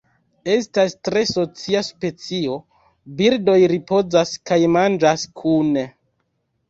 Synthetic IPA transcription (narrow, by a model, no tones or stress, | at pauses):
e̞stastɾe̞so̞t͡siaspe̞t͡sio̞ | biɾdo̞jɾipo̞zaskajmand͡ʒaskʰune